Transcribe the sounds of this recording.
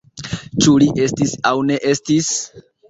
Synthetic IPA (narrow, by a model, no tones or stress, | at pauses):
t͡ʃuliʔe̞stisawne̞ʔe̞stis